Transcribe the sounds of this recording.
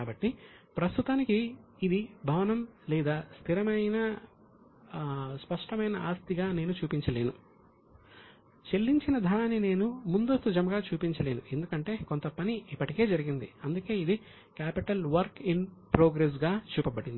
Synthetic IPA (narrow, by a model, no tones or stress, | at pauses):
aːbɐʈːipɾɐst̪ut̪aːnikiː | d̪ibʱɐʋɐnɐmlɛːd̪aːst̪ʰiɾɐmɐjnɐ | spɐʂʈɐmɐjnɐaːst̪iɡaːneːnut͡ʃuːpiɲt͡ʃɐle̞ːnu | t͡ʃe̞lːiɲt͡ʃinɐd̪ʱɐɳaːnːine̞ːnumund̪ost̪ud͡ʒɐmɐɡaːt͡ʃuːpiɲt͡ʃɐle̞ːnue̞nd̪ukɐɳʈe̞ːko̞nt̪ɐpɐniipːɐʈike̞ːd͡ʒɐɾiɡind̪iɐnd̪uke̞ːid̪i | kaːpiʈɐlʋɐɾkinpɾoːɡɾes̬ɡaːt͡ʃuːpɐbɐɽind̪i